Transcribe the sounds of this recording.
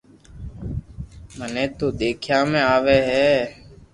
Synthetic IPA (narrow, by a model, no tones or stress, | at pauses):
mənẽːt̪oːd̪eːkʰjaːmẽːaːʋeːɦɛː